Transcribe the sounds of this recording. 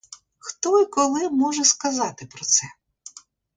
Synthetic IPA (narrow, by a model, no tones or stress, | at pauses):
xt̪ɔikɔlˠɪmɔʒɛskɐzɑt̪ɪpɾɔt̪sɛ